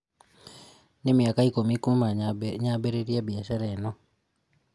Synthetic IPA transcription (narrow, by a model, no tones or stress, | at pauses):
nemiakaikomikumaɲabeɾeɾjabiaʃaɾenɔ